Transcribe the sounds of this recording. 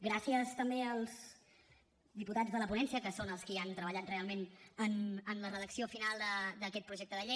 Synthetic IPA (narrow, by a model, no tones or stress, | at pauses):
ɡɾasiəst̪əmbeəlˠz | ðiput̪ad͡zðələpunɛnsiəkəsonəlˠskiant̪ɾəβəʎat̪realˠmenənənlərəðəksiofinalˠd̪əd̪əkɛt̪̚pɾuʒɛk̚t̪əðəʎe